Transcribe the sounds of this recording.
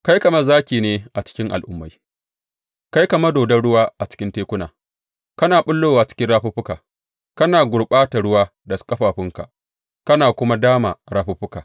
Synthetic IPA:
ka˦jkɐ˨mɐ˦rzaː˦kʲiː˨neː˦ʔa˨t͡ʃɪ̥˦kʲɪ˦ŋʔa˨lʔʊ̰˦mːa˦j | ka˦jkɐ˨mɐ˦doː˨dɐ˦ɽʊ˦waː˦ʔa˨t͡ʃɪ̥˦kʲɪ˦nteː˦kʷʊ˦na̰ː˨ | kɐ˦naː˨ɓʊ˦lːoː˦waː˨t͡ʃɪ̥˦kʲɪ˦nɽaː˦ɸu˦ɸʊ˦kaː˨ | kɐ˦naː˨ɡʷʊ˨ɽɓaː˦ta˨ɽʊ˦waː˦dɐ˨skʼɐ˦ɸaː˨ɸɪ˦ŋka̰˨ | kɐ˦naː˨kʷʊ˦ma˦daː˦ma̰˨ɽaː˦ɸu˦ɸʊ˦kaː˨

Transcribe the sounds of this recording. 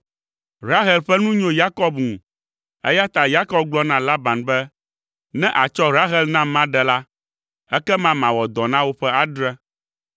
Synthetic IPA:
ɾa˦ɦɛ˨lɸɛ˦nũ˦ɲõ˦ja˦kɔ˦bŋũ˨ | ɛ̰˦ja˦t̪a˨ja˦kɔ˦b̚ɡ͡blɔ˦nã˨la˦ba˨nbɛ˦ | nɛ̃˦ʔa˨t͡ʃɔ˦ɾa˦ɦɛ˦lnã˦mã˦ɖɛ˨la˦ | ɛ˦kɛ˦mã˦mã˨wɔ˨d̪ɔ˨nã˦wo˦ɸɛ˦a˨ɖɾɛ̃˦

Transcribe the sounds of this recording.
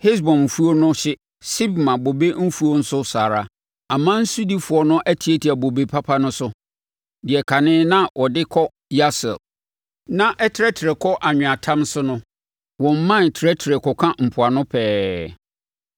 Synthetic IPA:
he˦s̬bɔ̃˨n˨fu˦o˦nʊ̃˦ɕɪ˦ | si˦b̚mã˨bo˨be˦m̩˦fu˦o˦n̩˦sʊ˦saː˨ɾa˦ | ã˨mã˦n̩˦su˦di˦fʊ˨ɔ˦nʊ̃˦ʔæ˦tʰi˨˦e˦tʰi˨a˨bo˨be˨pʰa˦pʰa˦nʊ̃˦sʊ˦ | dɪ˨ɛ˨kʰa˨nɪ̃ː˦nã˦wʔɔ˨dɪ˦kʰɔ˦ | ja˦sɛ̰˨l | nã˦ʔɛ˦tʰɾɛ˦tʰɪ˨ɾɛ˨kʰɔ˦ʔa˨ɲᶣʊ̃˨a˨tʰã˦msʊ˦nʊ̃˦ | wɔ̃˨m̩˦mã˦˨n˨tʰɾɛ˦tʰi˨ɾɛ˨kʰɔ˨kʰã˦m̩˨pʰʊ˨a˨nʊ̃˦pʰɛː˦

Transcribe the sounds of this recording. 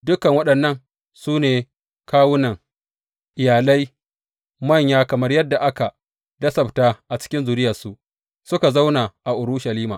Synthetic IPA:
dʊ˦kɐ˨ŋwɐ˦ɗɐ˨nːɐ˦ŋ | suː˦neː˨ | kaː˦wʊ˦nɐ˨ŋ | ʔɪ˨jaː˨la˦j | mɐ˦˨ɲjaː˦kɐ˨mɐ˦rjɐ˦dːa˨ʔa˦ka˨ | dɐ˦sɐ˨btaː˦ʔa˨t͡ʃɪ̥˦kʲɪ˦nzuː˨ɾɪ˦jɐ˨su˨ʔ | sʊ˦ka˨za˦wna˨ʔa˨ʔʊ˨ɾʊ˦ʃa˨liː˦maː˨

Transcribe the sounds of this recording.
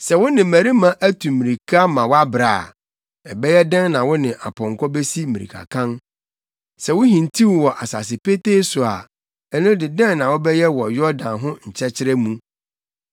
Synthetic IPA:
sɛ˨wʊ˦nɪ̃˨mæ˨ɾi˦mã˦ʔæ˦tʰũ˨mĩ˨ɾi˨kʰa˦mã˨wa˦bɾaː˨ | ɛ˨bɛ˦jɛ˦dɛ̃˦nnã˨wʊ˦nɪ̃˨ʔa˨pʰɔ̃˨ŋ˨kʰɔ˦be˦si˦mĩ˨ɾḭ˨kʰa̰˨kʰã˦n | sɛ˨wʊ˦ɦĩ˨n˨tʰi˦wwɔ˨ʔa˨sa˨sɪ˨pe˦te˦sʊ˨a̰˨ | ɛ˦nʊ̃˦dɪ˨dɛ̃˦nnã˨wʊ˦bɛ˦jɛ˦wɔ˨jɔ˦dã˨nɦʊ̃˦ɲ̩˨t͡ɕʰɛ˦t͡ɕʰɪ˦ɾɛ˦mũ˦

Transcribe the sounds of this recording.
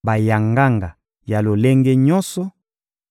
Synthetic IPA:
ba˨ja˨ŋɡa˦ŋɡa˨ | ja˨lo˨le˦ŋɡɛ˦ɲɔ˦nsɔ˦

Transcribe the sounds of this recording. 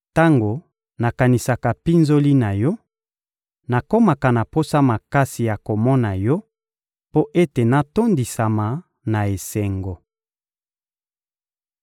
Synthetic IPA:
ta˦ŋɡo˨ | na˨ka˨ni˨sa˨ka˨pi˦nzo˦li˦na˨jɔ˦ | na˨ko˦ma˨ka˨na˨po˦sa˦ma˨ka˦si˨ja˨ko˨mɔ˦na˨jɔ˦ | po˦ʔe˦te˨na˨to˦ndi˨sa˨ma˨ | na˨e˨sɛ˨ŋɡo˨

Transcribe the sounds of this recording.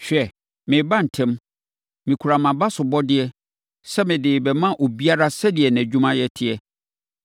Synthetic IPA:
ɕᶣɛ˨ | mɪ̃˨bã˦n̩˨tʰɛ̃˦m | mĩ˨kʰu˨ɾa˨mã˨ba˦sʊ˨bɔ˦dɪ˦ɛ˦ | sɛ˦mɪ̃˨dɪː˨bɛ˨mã˦ʔo˨bi˦a˦ɾa˦sɛ˦dɪ˨ɛ˨næ̃˨d͡ʑᶣũ˦mã˦jɛ˨tʰɪ˦ɛ˦

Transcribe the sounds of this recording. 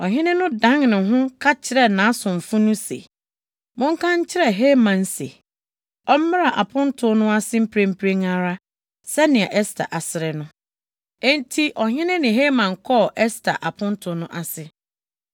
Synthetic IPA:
ɔ˨ɦɪ̃˦nɪ̃˦nʊ̃˦dã˦ŋnʊ̃˨ɦʊ̃˦kʰa˦t͡ɕʰɪ˦ɾɛ˨nã˨˦sʊ̃˨m˨fʊ̃˦nʊ̃˦sḛ˨ | mʊ̃˦ŋ̩˦kʰã˦ɲ̩˦t͡ɕʰɪ˦ɾɛ˦˨ɦe˦mã˨n̩˦sḛ˨ | ɔ˦m̩˦mɪ˦ɾa˨ʔa˨pʰʊ̃˦n˦tʰʊ˨nʊ̃˦a˦sɪ˦m̩˦pʰɾe˦m̩˦pʰɾe˦ŋã˦ɾa˦ | sɛ˦nɪ̃˨ɛ˨ʔɛ˦stʰa̰˨ʔa˨sɪ˨ɾɛ˨nʊ̃˦ | ntʰi˦ʔɔ˨ɦɪ̃˦nɪ̃˦nɪ̃˨ɦe˦mã˨ŋ̩˨kʰɔ˦˨ʔɛ˦stʰa̰˨ʔa˨pʰʊ̃˦n̩˦tʰʊ˨nʊ̃˦ʔa˨sɪ˦

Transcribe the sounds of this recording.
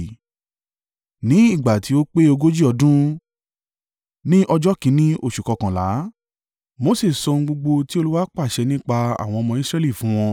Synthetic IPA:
nĩ˨˦i˦˨ɡ͡ba˨ti˨˦o˦k͡pe˦o˧ɡo˦d͡ʒi˦ɔ˧dũ˦ | nĩ˦ʔɔ˧d͡ʒɔ˦kĩ˨˧˦nĩ˦o˦˨ʃu˨kɔ˨˧kã˨la˨˦ | mo˨˦se˦˨sɔ˧ŋ̩̃˧ɡ͡bo˧ɡ͡bo˧ti˦o˧lu˦wa˦k͡pa˦˨ʃɛ˧nĩ˦k͡pa˧a̰˨w̃ɔ̃˧ɔ˧mɔ̃˧i˦sɾɛ˦li˦˨fũ˨˦w̃ɔ̃˧

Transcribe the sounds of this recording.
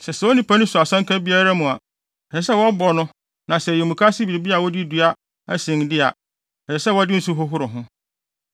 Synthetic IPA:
sɛ˨sɛ˨wɔ˦nĩ˦pʰa˦nʊ̃˦sʊ˨a˨sã˦ŋkʰã˦bi˦a˦ɾa˦mũ˨a˨ | ɛ˨sɛ˨s̬ɛ˦wɔ˦bɔ˨nʊ̃˦ | nã˨sɛ˨jɛ˨mũ˨kʰa˦sɪ˦bi˨ɾi˨bi˦a˨wɔ˦di˦du˨a˦ | æ˦sĩ˨n˨dɪ˦a̰˨ | ɛ˨ɾɛ˨sɛ˦wɔ˦dɪ˦n̩˦su˦ɦʊ˦ɦʊ˦ɾʊ˨ɦʊ̃˦

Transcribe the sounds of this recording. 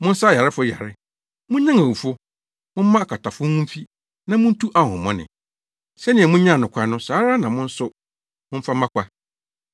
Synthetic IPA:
mʊ̃˦n̩˦sa˦˨a˨ɾɪ˦fʊ˦ja˨ɾɪ˦ | mʊ̃˦ɲã˦ŋa˨wu˨fʊ˦ | mʊ̃˦m̩˦mã˦˨kʰa˨tʰa˨fʊ˦ũ˦m̩˦fi˦ | nã˦mʊ̃˦n̩˦tʰu˦ʔa˨hʊ̰̃˨mɔ̰̃˦nɪ̰̃˨ | sɛ˦nɪ̃˨ɛ˨mũ˦ɲã˦˨nʊ̃˨kʷʰa˨˦nʊ̃˦saː˨˦ɾa˦nã˨mʊ̃˦n̩˦sʊ˦ | mʊ̃˦m̩˦fa˦mã˦kʷʰa˦

